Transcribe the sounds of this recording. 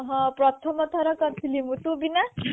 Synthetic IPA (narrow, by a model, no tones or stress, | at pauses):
ɦɔ̃pɾɔt̪ʰɔmɔt̪ɔɾɐkɔnt̪ʰilimut̪ubina